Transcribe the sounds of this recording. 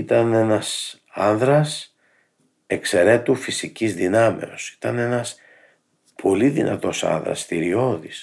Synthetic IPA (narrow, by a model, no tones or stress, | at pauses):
it̪ɐne̞nɐs | ɐnðɾɐs | e̞kse̞ɾe̞t̪ufisicizðinɐme̞̰osi̥t̪ɐne̞nɐs | pʰo̞liðḭnɐ̰t̪o̞sɐ̰nðɾɐ̰st̪iɾio̞ðis